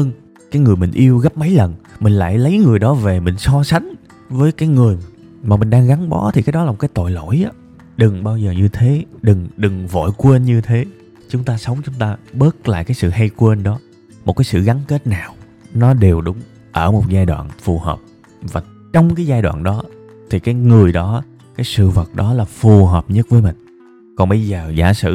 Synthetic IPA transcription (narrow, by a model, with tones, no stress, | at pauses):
həː˧n | kaː˨˦jŋɨ˨˩əjmï˨˩ŋ̟ʔi˧əwɣə˦˥p̚maə˨˦jlə˨˩nmï˨˩ŋ̟la̰ː˧˨jlə˨˦jŋɨ˨˩əjɗɔ˨˦ve˨˩mï˨˩ŋ̟sɔ˧sa˨˦jŋ̟ | vəː˨˦jkaː˨˦jŋɨ˨˩əj | maː˨˩mï˨˩ŋ̟ɗaː˧ŋɣa˨˦nɓɔ˨˦t̪ʰi˨˩kaː˨˦jɗɔ˨˦lːm̚˨˩kːaː˨˦jt̪o̰˧˨jlo̰˧˥˨jʔaː˨˦ | ɗɨ˨˩ŋɓaː˧wzəː˨˩ɲɨ˧t̪ʰe˨˦ɗɨ˨˩ŋɗɨ˨˩ŋvo̰˧˨jkwe˧nɲɨ˧t̪ʰe˨˦ | t͡ɕʊ˨˦ŋ͡mt̪aː˧sə˨˦wŋ͡mt͡ɕʊ˨˦ŋ͡mt̪aː˧ɓəː˦˥t̚la̰ː˧˨jkaː˨˦jsɨ̰˧˨ɦə˧jkwe˧nɗɔ˨˦ | mo˨˩kaː˨˦jsɨ̰˧˨ɣa˨˦nke˦˥t̚naː˨˩w | nɔ˨˦ɗe˨˩wɗʊ˨˦ŋ͡m | ʔəː˧˩mo˨˩t̚zaː˧jɗwa̰ː˧˨nfu˨˩hə̰ː˨˩p̚ | vaː˨˩ | t͡ɕɔ˧wŋ͡mkaː˨˦jzaː˧jɗwa̰ː˧˨nɗɔ˨˦ | t̪ʰi˨˩kaː˨˦jŋɨ˨˩əjɗɔ˨˦ | kaː˨˦jsɨ̰˧˨və˨˩t̚ɗɔ˨˦laː˨˩fu˨˩ɦəː˨˩p̚ɲə˦˥t̚vəː˨˦jmï˨˩ŋ̟ | kɔ˨˩nɓə˧jzəː˨˩za̰ː˧˩sɨ̰˧˨